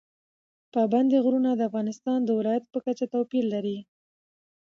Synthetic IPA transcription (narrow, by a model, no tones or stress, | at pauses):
pəband̪eɣɾunad̪əafɣɑnɪst̪ɑnd̪əwɪlɑjat̪̚pəkat͡ʃat̪apilːaɾi